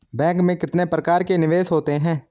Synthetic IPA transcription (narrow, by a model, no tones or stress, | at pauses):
bɛ̃ːŋkmẽkɪt̪nepɾəkaːɾkenɪʋeːsɦoːt̪eɦɛ̃ː